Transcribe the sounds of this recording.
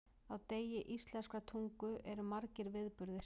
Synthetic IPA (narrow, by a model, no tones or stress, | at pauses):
awt̪eːjɪʔist̪lɛnskɾat̪ʰuŋkʏʔɛɾʏmaɾcɪɾvɪðpʏɾðɪɾ̥